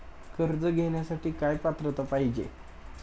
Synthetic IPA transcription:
kəɾd͡zəɡʱeɳjasaʈiːkajpat̪ɾət̪əpaɦid͡ʑḛ

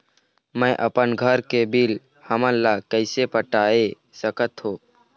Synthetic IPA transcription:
mə̃jʔəpənɡʱəɾkebil | həmənlakəɪsepəʈaːe | səkət̪ɦoː

